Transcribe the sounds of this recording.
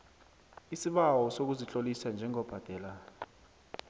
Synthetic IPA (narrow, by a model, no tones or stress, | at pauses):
isiɓawɔsok̬uzit͡ɬʼolisand͡ʒʱɛŋɔb̥ʱad̥ʱɛːlaː